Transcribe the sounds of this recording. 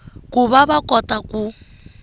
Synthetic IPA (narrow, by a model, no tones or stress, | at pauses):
kuβaβakʼɔtʼaku